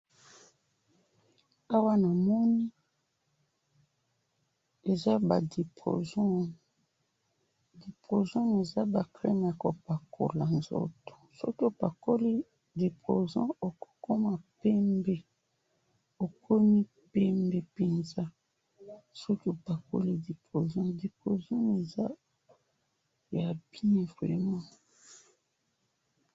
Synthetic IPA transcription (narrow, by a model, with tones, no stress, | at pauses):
a˦wa˦na˨mɔ˦ni˦ | e˨za˦ba˨de˨po̰˨zɔ˦ | de˨po˨zɔ̃˦ne˨za˦ba˨klɛ˦m˨ja˨ko˨pa˨kʰo̰˨la˨nzo̰˦to̥˨so̰˦ki˦o˨pa˨ko˦li˦ | de˨po˨zã̰˦o˨ko̥˦ko˦ma˨pɛ˦mbɛ˦˨ | o˨kʰo˦ni˦ | pɛ˦mbɛ˦pe˨nza˦ | so˦ki˦o˨pa˨ko̰˦li˦de˨po˨zã˦de˨po˨zɔ̃˦ne˨za˦ | ja˨bjɛ˦vʁɛ̰˨mã˦